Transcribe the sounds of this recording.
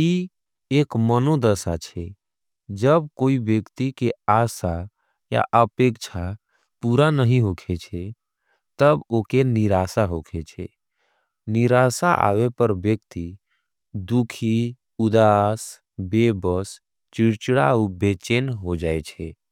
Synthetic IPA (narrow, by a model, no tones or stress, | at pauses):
i | ekmənod̪əsat͡ʃʰɛ | d͡ʒəb̚koibjəkt̪ikeasa | ja̰ʔəpekt͡ʃʰa | puɾanəɦĩɦokʰet͡ʃʰɛ | t̪əbokeniɾasaɦokʰet͡ʃʰɛ̰ | niɾasaʔa̰wepəɾbjəkt̪i | d̪ukʰi | ud̪as | bebəs | t͡ʃiɾt͡ʃɽaubet͡ʃenɦod͡ʒaet͡ʃʰɛ